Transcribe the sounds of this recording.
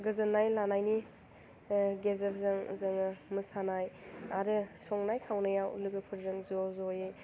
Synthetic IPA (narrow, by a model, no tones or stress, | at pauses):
ɡɯzɐnːajlanajni | ɡezɐɾzɐŋzɐŋɯmɯsanajaɾɯsɔŋnajkʰawnɐjawlɯɡɯpʰɯɾzɯŋzɔzɔje